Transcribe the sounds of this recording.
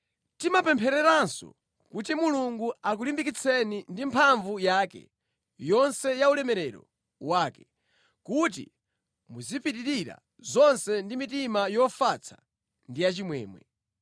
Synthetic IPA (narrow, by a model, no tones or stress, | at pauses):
timapɛmpʰɛɾɛɾansɔ̰ | kutimuluŋɡuak̬ulimbik̬it͡sʰɛnindimpʰaɱvujaːkɛ̰ | jɔnsɛjaulɛmɛɾɛɾɔ̰ | waːkɛ | kut̬ḭ | muzipitiɾiɾa̰ | zɔnsɛndimitimajɔfat͡sʰḁ | ndijat͡ʃimwɛ̰ːmwɛ̰